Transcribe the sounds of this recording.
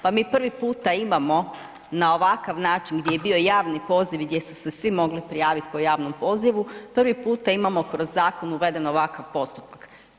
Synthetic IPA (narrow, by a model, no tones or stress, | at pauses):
pamiːpr̩ʋipuːt̪aimamo̞ | nao̞ʋakaʋnaːt͡ʃinɡd̪ʲje̞jebio̞jaːʋnipo̞ːziʋɡd̪ʲje̞su̥se̞sʋimo̞ɡlipɾijaːʋit̪po̞jaːʋnompo̞ːziʋupr̩ʋipuːt̪aimamo̞kɾo̞zːaːko̞nuʋe̞d̪e̞no̞ʋakaʋpo̞st̪u̥pak